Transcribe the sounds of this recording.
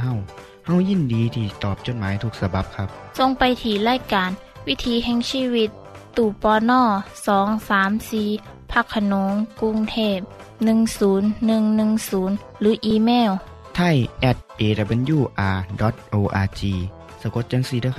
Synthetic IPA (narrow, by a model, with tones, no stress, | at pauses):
ɦa˧˩w | ha˧˩˨wji˧˥˨ndiː˨˦t̪ʰiː˧˩t̪ɔː˨˩p̚t͡ɕo˧˩t̪̚maː˨˦jt̪ʰu˧˥k̚sa˧ba˧˦p̚kʰa˧˦˥p̚ | so˧ŋpa˨jt̪ʰiː˧˩laː˧˥˨jkaː˨n | wi˦˥˨t̪ʰiː˨˦ɦɛ˧ŋsiː˧˨wi˧˥t̪ː | uː˨˧˩pɔː˧nɔː˧˩sɔː˨˦ŋsaː˨˦msiː˧˩ | pʰa˧˨kʰːa˧no˨˦ŋku˧˥ŋt̪ʰeː˧˥˩p̚ | nɯ˧ŋsuː˩˦nːɯ˧ŋnɯ˧ŋsuː˩˦n | lɯː˨˦ʔiː˧meː˧˥˩w | t̪ʰa˧˥˩jʔɛ˧˩t̪̚ʔeː˨˧ta˧˩be˧˦njuː˧˩ʔaː˧dɔ˨˦t̪̚ʔoː˧ʔaː˧t͡ɕiː˧ | sa˨˧ko˧˦t̪̚t͡ɕa˧˥˦ŋsi˧˩d̪ɯː˧˩